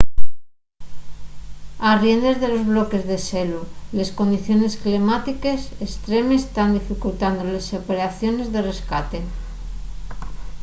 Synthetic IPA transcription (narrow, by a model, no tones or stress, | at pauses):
arje̞nd̪e̞zðe̞lo̞zβlo̞ke̞zðe̞selule̞sko̞nd̪iθjo̞ne̞sklemat̪ike̞sest̪ɾe̞mest̪and̪ifikult̪and̪olesopeɾaθjo̞ne̞zðe̞re̞skat̪e̞